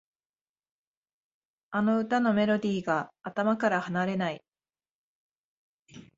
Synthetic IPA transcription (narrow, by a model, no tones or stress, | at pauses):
ano̞ɯ̟t̪ano̞me̞ɾo̞d̪ʲiːɡaːt̪amakaɾahanaɾe̞nai